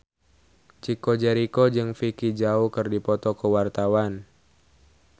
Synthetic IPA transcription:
t͡ʃikod͡ʒɛɾikod͡ʒɨŋfikid͡ʒaukɨrdipɔt̪ɔkəwart̪awan

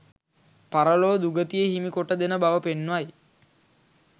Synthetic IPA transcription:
paɾəloːd̪uɡət̪ijeɦimikoʈəd̪enəbaʋəpenːʋaj

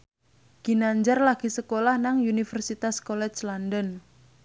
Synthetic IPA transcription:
ɡ̥i̤naɲd͡ʒarlaɡ̥isəkolahnaŋunifərsit̪askolɛt͡ʃlandən

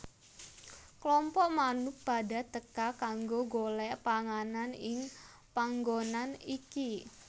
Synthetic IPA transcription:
klɔmpɔʔmanʊk̚b̥ada̤t̪əkakaŋɡoɡolɛʔpaŋananɪŋ | paŋɡonaniki

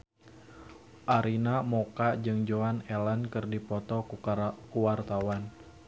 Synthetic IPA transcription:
ʔaɾinamokad͡ʒɨŋd͡ʒoanɛlankɨrdipɔt̪ɔkuwart̪awan

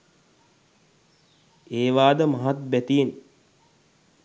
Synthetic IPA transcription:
eːʋaːd̪əmaɦat̪̚bæt̪ijen

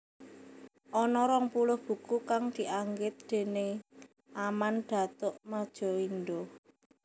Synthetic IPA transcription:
ʔɔnɔɾɔŋpulʊhb̥ṳkukaŋd̪̥i̤ʔaŋɡɪt̪̚d̪̥e̤ne | amanɖ̪̥a̤t̪ʊʔmad̥ʒ̥ɔ̤ind̪o

